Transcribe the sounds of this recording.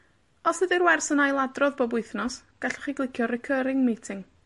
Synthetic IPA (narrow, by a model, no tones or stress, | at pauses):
ɔsɨðirwɛrsənajlˠadrɔðbɔbʊɨθnɔs | ɡ̥aɬɔ̥χiɡlˠɪkʰjɔrɪkʰəɾɪŋmejtʰɪŋ